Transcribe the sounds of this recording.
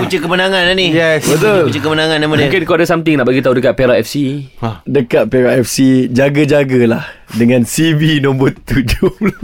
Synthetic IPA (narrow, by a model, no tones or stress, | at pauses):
kut͡ʃəkəmənaŋãnanijɛsət̪olut͡ʃəkəmənãŋãnːamanmukɪnkoadasamt̪ɪŋnaʔbaɡit̪audəkaʔ̪̚peɾaʔɛfsiadəkaʔ̪̚peɾaɛfsid͡ʒaɡəd͡ʒaɡalahdəŋãnsibinõmbɔt̪ːud͡ʒula